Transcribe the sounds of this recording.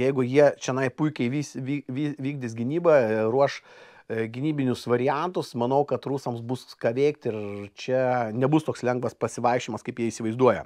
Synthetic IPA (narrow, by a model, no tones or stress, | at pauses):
jɛɪɡʊjiɛt͡ʃʲɛnɐɪpʊɪkʲɛɪʋʲiːsʋʲiʋʲiːʋʲiːɡ̚dʲɪsɡʲɪnʲiːbɐɾuɔʃ | ɡʲɪnʲiːbʲɪnʲʊsʋɐɾʲɪænt̪ʊsmɐnɐʊkɐt̪ruːsɐmsbuskɐʋʲeːk̚t̪ɪɾt͡ʃʲɛnʲɛbʊst̪oːkslʲɛŋɡʋɐspɐsʲɪʋɐɪʃʲɪmɐskɐɪpjiɛiːsʲɪʋɐɪzd̪uɔjɛ